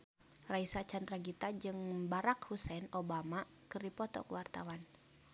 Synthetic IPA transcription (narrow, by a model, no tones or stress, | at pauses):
raisat͡ʃant̪ɾaɡit̪ad͡ʒɨŋbaɾakhusɛnobama | kɨrdipɔt̪ɔ̰kəwart̪awan